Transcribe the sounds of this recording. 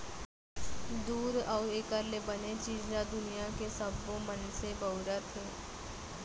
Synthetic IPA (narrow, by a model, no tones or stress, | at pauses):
d̪uːɾɔːɾeːkəɾlebənet͡ʃiːd͡ʒd͡ʒad̪ʊnijakesəbːomənsebəʊɾət̪ʰeː